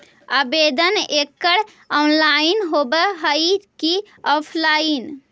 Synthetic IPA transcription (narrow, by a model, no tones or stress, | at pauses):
abed̪ənekːəɾ | ɔnlainɦobəɦəjki | ɔpʰlain